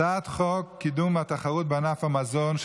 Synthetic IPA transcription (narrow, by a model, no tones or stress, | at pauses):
at̪χokkʰːid̪umat̪aχaʁut̪̚beanafamazonʃ